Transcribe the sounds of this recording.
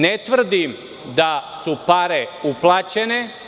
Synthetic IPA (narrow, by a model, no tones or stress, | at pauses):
net̪ʋr̩d̪im | d̪asupaɾeuplˠaːt͡ɕene̞